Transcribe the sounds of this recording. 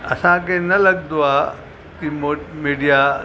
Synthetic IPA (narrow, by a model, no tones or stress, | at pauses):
ɐ̰sãkenɐlɐɡd̪oaː | t̪imomiːɖija